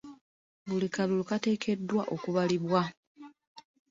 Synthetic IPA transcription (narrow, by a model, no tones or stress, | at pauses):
βulikalulukate̞ːkʰe̞dːwaʔo̞kuβaliβwa